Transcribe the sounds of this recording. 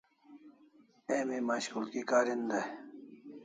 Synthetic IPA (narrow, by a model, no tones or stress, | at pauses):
emimaɕkulkikaːɾind̪ɐ